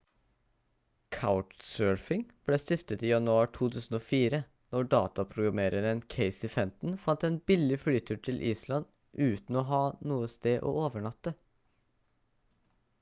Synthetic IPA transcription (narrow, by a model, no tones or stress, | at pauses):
kʰaʊʈsøːɹfɪŋb̥leːst̪ɪft̪ət̪iːjɑnʉɑːʈʰuːt̪ʰʉːsn̩oːfiːɾə | nɔɖɑ̰ːt̪ɑpʰɾʊɡɾɑmeːɾəɾənkʰeɪsɪfɛmt̪n̩fɑnt̪ɛːnbɪlɪflyːt̪ʰʉːʈʰɪlʔiːslɑn | ʔʉːt̪n̩ɔːɦɑːnuːəst̪eːʔo̰ːoːʋəɳɑt̪ːə